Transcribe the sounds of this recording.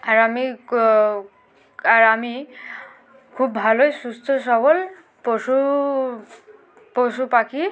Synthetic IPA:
aɾami | aɾami | kʰuːp̚bʱalojsust̪ʰɔsɔʋɔl | posu | posupakʰi

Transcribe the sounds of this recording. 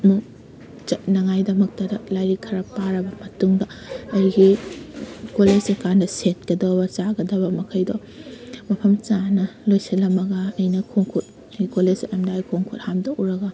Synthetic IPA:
mu | ɐnɐŋajdɐmɐk̚tɐdɐlajɾikʰɐɾɐpaɾɐbɐmɐtuŋdɐɐjɡi | koled͡ʒɐkandɐset̚kɐdɐwbɐt͡ʃaɡɐdɐbɐmɐkʰɐjdɔ | mɐpʰɐmt͡ʃanɐlojsɐlɐmɐɡɐɐjnɐkʰoŋkʰut̚ | ɐɡikolesʔɐmdajkʰoŋkʰut̚hamdɐʔuɾɐɡɐ

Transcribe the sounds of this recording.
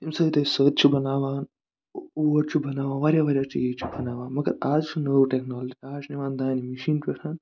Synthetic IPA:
imsəːt̪esəːt̪̚t͡ʃʰibɐnaːʋaːn | uːɐɾt͡ʃʰubɐnaːʋaːnaɾjaːʋɐɾʲjaːt͡ʃḭet͡ʃʰibɐnaːʋaːnmɐɡɐ̰ɾaːd͡ʒt͡ʃʰunəːuʈeknoːld͡ʒiaːt͡ʃniʋãːnd̪aːnimiʃiːnt͡ʃɐɾʰaːn

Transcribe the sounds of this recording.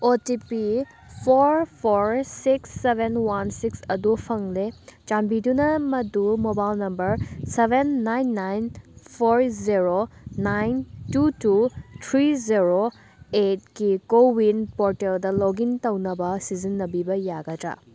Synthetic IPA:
otipi | pʰoɾpʰoɾsiksːebʱenwansiksɐdupʰɐŋlet͡ʃambidunɐmɐdumobalnɐmbɐɾsebʱenːajnːajnpʰoɾziɾonajntututʰɾiziɾo | et̚kikowinpoɾteldɐloɡintɐwnɐbɐsizinːɐbibɐjaɡɐtɾa̰

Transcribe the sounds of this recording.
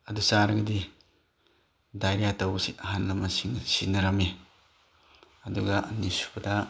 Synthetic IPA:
ɐdusaɾɐɡɐdi | dajɾijatɐwɡɐsiɐɦanlɐmɐsiŋsinɐɾɐme | ɐduɡɐɐnisu̥pɐda

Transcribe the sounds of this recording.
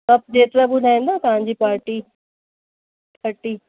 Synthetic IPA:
ɐp̚d͡ʒeːt̪ɾabʊd̪ʱaːẽːnd̪aːkɐɦãɲd͡ʒipaːɾʈiː | pʰəʈiː

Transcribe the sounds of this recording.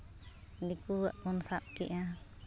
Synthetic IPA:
dikuaʔunsap̚kḭʔa

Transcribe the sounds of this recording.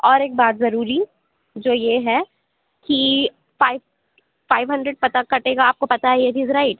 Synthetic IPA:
ɔːɾeːk̚baːt̪zɐɾuːɾi | d͡ʒoːjeɦɛ | ki | faɪ | faːɪʋɦɐ̃ɳɖɾəɖ̚pɐt̪akɐʈeːɡaaːp̚kopɐt̪aɦɛjeʈiːzɾaɪʈ

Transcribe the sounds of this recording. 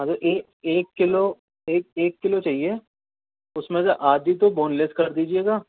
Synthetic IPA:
mɐɡəɾʔeːkeːkːɪlo | eːk̚eːkːɪlot͡ʃaːɦie | ʊsmẽseʔaːd̪it̪̬oboːnleskɐɾd̪iːd͡ʒieːɡaː

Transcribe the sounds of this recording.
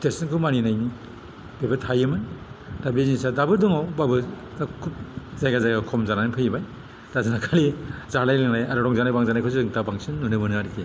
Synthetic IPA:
tesinkʰumaninajni | b̥ebatʰajɯmɯndabizisadabɯdɔŋɔwbabɯ | akʰup̚zajɡazajɡakʰɔmzananɯpʰɯjbaj | d̥azɯnakʰalizalajleŋnajaɾɔɾɔŋzanajbaŋzanajkʰɯsidɯŋtabaŋsinːunɯmɯnɯaɾike

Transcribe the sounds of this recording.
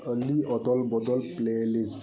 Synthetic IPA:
əliɔd̪ɔlbɔd̪ɔlplelis

